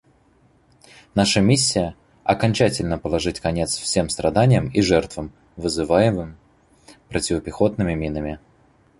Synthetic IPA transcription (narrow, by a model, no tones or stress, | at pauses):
naʂəmʲis̬ʲːɪjə | ɐ̰kɐnʲt͡ɕætʲɪlʲnəpəlˠɐʐɨtʲkɐnʲe̞t̪sfsʲe̞mst̪ɾʔɐd̪anʲɪjəmiʐɛrt̪vəm | vɨzɨvajɪmɨm | pɾʔətʲɪvəpʲɪxo̞t̪̚nɨmʲɪmʲinəmʲɪ